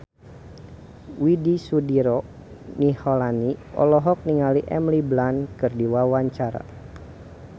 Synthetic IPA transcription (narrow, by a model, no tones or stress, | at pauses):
widisudiɾɔ | nihɔlaniɔ̰lɔɦɔk̚niŋaliʔɛmliblankɨrdiwawaɲt͡ʃaɾa̰